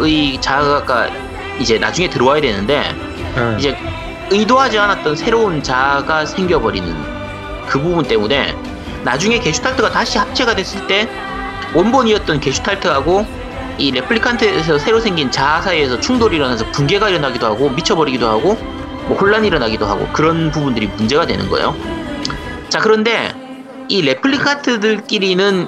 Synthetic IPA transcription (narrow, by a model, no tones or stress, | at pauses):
ɯit͡ɕaɡak͈a̰ | id͡ʑe̞na̰d͡ʑuŋe̞tɯɾʌwajadwe̞nɯnde̞̰ | id͡ʑe̞ | ɯidoɦad͡ʑianat̚t͈ʌnsʰe̞ɾount͡ɕaɡasʰe̞ŋɡjʌbʌɾinɯ̰n | kɯbubunt͈e̞mune̞̰ | nad͡ʑuŋe̞ke̞ɕʰu̥tʰaɭtʰɯɡataɕʰihap̚t͡ɕ͈ʰeɡadwe̞s͈ɯɭt͈e̞ | wʌnboɲiʌt̚t͈ʌnke̞ɕʰu̥tʰaɭtʰɯɦaɡo | iɾe̞pʰɯɭikʰantʰɯesʰʌsʰe̞ɾosʰe̞ŋɡint͡ɕasʰaesʰʌt͡ɕʰuŋdoɾiɾʌnasʰʌpunɡe̞ɡaiɾʌnaɡidoɦaɡomit͡ɕʰʌbʌɾiɡidohaɡo | mwʌhoɭːaniɾʌnaɡidoɦa̰ɡo̰kɯɾʌnpubundɯɾimund͡ʑe̞ɡadwe̞̰nɯ̰nɡʌ̰ḛjo̰ | t͡ɕakɯɾʌnde̞ | iɾe̞pʰɯɭikʰantʰɯdɯɭk͈iɾinɯn